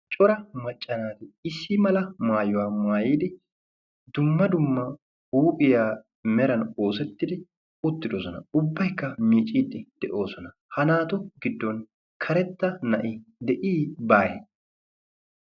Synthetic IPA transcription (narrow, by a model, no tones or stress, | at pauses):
t͡ʃʼɔɾɐmɐt͡ʃʼːɐnaːt̪ɪɪsːɪmɐlɐmaːjʊwaːmaːjiːd̪ɪ | d̪ʊmːɐd̪ʊmːɐ | uːpʼɪjaː | mɛɾɐno̞ːsɛt̪ːɪd̪ɪ | ʊt̪ːɪd̪oːsɔnɐ̰ʊbːɐjkːɐmiːt͡ʃʼiːd̪ːɪd̪̥ɛʔo̞ːsɔnɐ | hɐnaːt̪ɔɡɪd̪ːɔn | kʰɐɾɛt̪ːɐnɐʔɪd̪ɛʔiːbaːjɛ